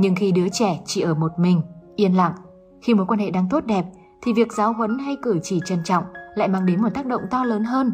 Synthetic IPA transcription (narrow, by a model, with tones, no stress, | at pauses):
ɲɨ˧ŋxi˧ɗɨ˨˦ət͡ɕɛ˧˩t͡ɕi˧˩ʔəː˧˩mo˨˩t̚mï˨˩ŋ̟ʔi˧ənla̰˧˨ŋ | xi˧mo˨˦jkwaː˧nhḛ˧˨ɗaː˧ŋt̪o˦˥t̚ɗɛ˨˩p̚ | t̪ʰi˨˩vi˨˩ək̚zaː˨˦wɦwə˨˦nɦa˧jkɨ˧˩t͡ɕi˧˩t͡ɕə˨˧˩nt͡ɕɔ̰˧˨wŋ͡mla̰ː˧˨jmaː˧ŋɗe˨˦nmo˨˩t̚t̪aː˦˥k̚ɗə̰˧˨wŋ͡mt̪ɔ˧ləː˨˦nɦəː˧n